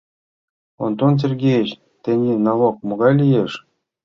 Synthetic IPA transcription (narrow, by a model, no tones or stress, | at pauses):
o̰nt̪ons̬ʲerʲɡʲejɘt͡ɕ | t̪ʲenʲinɑvok̚mŏɡɑjlʲijeʂ